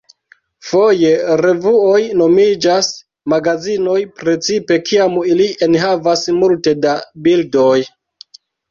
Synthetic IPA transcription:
foje̞ɾe̞vuo̞jno̞mid͡ʒas | maɡazino̞jpɾe̞t͡sipe̞kʰiamilienɦavasmulte̞dabildo̞j

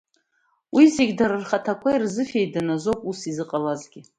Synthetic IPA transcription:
wizeɡʲdaɾarχatʰakʷʰairzɨfejdanazowpʼusizɨqʼalazɡʲɪ

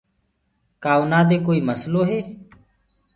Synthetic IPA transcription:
kaːuːnaːd̪eːkoːiːməsloːɦeː

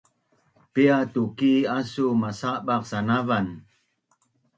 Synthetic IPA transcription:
piat̪ukiasumasabak̚sanavan

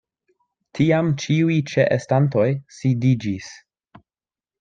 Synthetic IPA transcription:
tʰiamt͡ʃiujt͡ʃeʔestanto̞jsidid͡ʒis

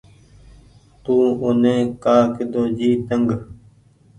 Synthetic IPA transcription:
t̪ũːʊnẽːkaːkɪd̪oːd͡ʒiːt̪əŋɡ

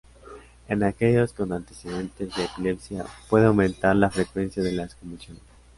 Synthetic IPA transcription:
e̞nake̞ʝo̞sko̞nant̪e̞se̞ðe̞nt̪e̞zðeːpile̞psjapwe̞ðeawmẽ̞nt̪aɾlafɾe̞kwe̞nsjaðe̞laskomisjons

